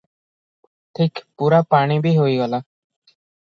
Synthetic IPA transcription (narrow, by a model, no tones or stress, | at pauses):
ʈʰikpuɾapaɽ̃ibʱiɦoiɡɔla